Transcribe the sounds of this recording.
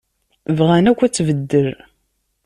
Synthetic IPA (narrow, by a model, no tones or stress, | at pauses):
vʁænækʷːæt͡sːvəd̪ːəɾ